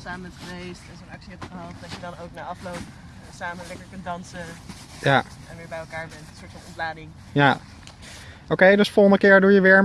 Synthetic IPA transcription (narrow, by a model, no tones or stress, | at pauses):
saːməɛtχəʋejstɛnzonɛpsiɛpχəɦɑlˠt̚dɑt͡ʃədɑnowknaːɹɑflowp | saːməlɛkəɹkɵntdɑnsə | jaɛ̃nʋɪːɹbɛjɛlˠkaːɹbɛntsʊːɹtfɑ̃nɔntlaːdɪŋ | ja | owkejdøsfolˠχəndəkɪːɹdujəʋɪːɹ